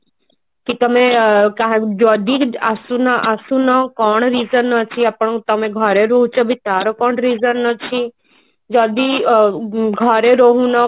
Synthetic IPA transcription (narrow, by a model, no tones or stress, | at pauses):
kit̪əmẽkaɦd͡ʒɔd̪iasunaʔəsũnɔkɔːɳ̃ɾiːzənːət͡ʃʰiapəɳ̃t̪əmẽɡʱəɾeɾoːɦũt͡ʃɔbʱit̪aːɾokɔːɳɾiːzənːət͡ʃʰi | d͡ʒɔːd̪i | ɡʱɔɾeɾoɦũnɔ